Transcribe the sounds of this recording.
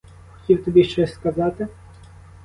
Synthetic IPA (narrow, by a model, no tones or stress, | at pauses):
xɔ̥tʲiwt̪ɔbʲiʃt͡ʃɔsʲskɐzɑt̪ɪ